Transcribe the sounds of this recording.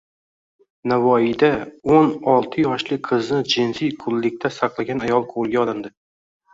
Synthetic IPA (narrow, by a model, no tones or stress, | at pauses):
navɒɪd̪aonɒlˠt̪ʰɪjɒʃlɪqʰɨznɪd͡ʒɪnzɪjkʰʊlːɪkʲt̪ʰasɑqlˠaɡʲanajɒlˠqʰolˠɡʲaɒlˠɪnd̪ɪ